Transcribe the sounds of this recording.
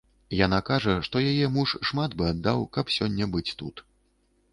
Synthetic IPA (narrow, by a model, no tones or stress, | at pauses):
janakaʐɐʂt̪ɔjajɛmuʂʂmat̪bɨad̪ːawkɐpsʲɔnʲːɐbɨt͡sʲt̪ut̪